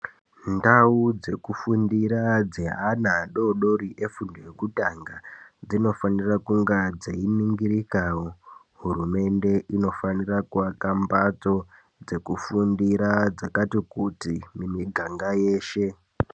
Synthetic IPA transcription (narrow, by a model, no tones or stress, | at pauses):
ndaud͡ze̞kufundiɾad͡zeɦanaɗo̞ɗo̞ɾiʔe̞fundoje̞kutaŋɡad͡zino̞fanirakuŋɡad͡zainiŋɡiɾikaːwo̞ | ɦuɾume̞nde̞ʔino̞fanirakuʋakambat͡so̞ | d͡ze̞kufundiɾad͡zakatikutimimiɡʱaŋɡajeːʃe̞